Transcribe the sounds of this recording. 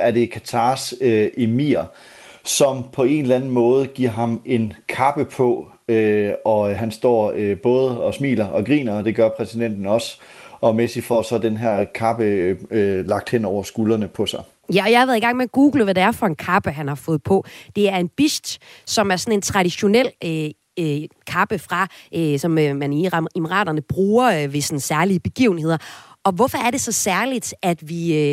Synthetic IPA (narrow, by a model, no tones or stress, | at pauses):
æɐde̝kʰæt͡sʰɑ̈ːsʔemiːɐ | sɒ̽mpʰɒ̽e̝nlænn̩mɔ̽ːð̞̩ˠɡ̥iɐ̰ɦɑ̈me̝nkʰɑ̈b̥əpʰɒ̽ | øɒ̽ɦænsd̥ɒ̰ːøb̥ɔ̽ːð̞̩ˠəɒ̽smḭːlɐʔɒ̽ɡ̥ʁḭːnɐd̥e̝ɡ̥ɶɐpʰʁɛsid̥en̰d̥n̩ɒ̽s | ɒ̽mesi̥fɒsɒ̽d̥enɦæɐ̰kʰɑ̈b̥əølɑ̈ɡ̥̚d̥hen̰ɒʊ̰ɐsɡ̥ulɐnəpʰɒ̽sɑ̈ɪ | jæɒjɑhɑʋæð̩ˠiɡɑ̈ŋ̰meɡ̥uːɡ̥l̩ʋædeæɐfɒ̽e̝nkʰɑ̈b̥əɦænhɑ̈fɔ̽ːð̩ˠpʰɒ̽d̥e̝æɐe̝nb̥isd̥sɒ̽mæɐsɒ̽ne̝nt͡sʰʁɑ̈ɾiɕo̝nel̰ø | kʰɑ̈b̥əfʁɑ̈ʔøsɒ̽mmæniʁemʁɑ̰̈ːd̥ɐnəb̥ʁuːɐʋe̝sɒnsæɐliəb̥e̝ɡ̥ḭʊn̩e̝ðˠɐʔɒ̽ʋɒfɒ̽æɐd̥e̝sɒ̽sæɐlid̥æd̥ʋi